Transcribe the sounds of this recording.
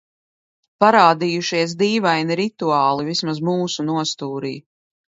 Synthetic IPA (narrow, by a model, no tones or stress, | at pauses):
paɾaːd̪ijuʃiɛs̬d̪iːvajniɾit̪uaːlˠivismazmuːsunuɔst̪uːɾḭː